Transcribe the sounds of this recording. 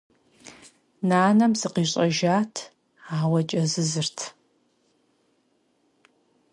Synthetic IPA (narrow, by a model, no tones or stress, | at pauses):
naːnɐmzɨqiːɕʼɐʒaːtʰ | aːwɐt͡ʃʼɐzɨzɨrtʰ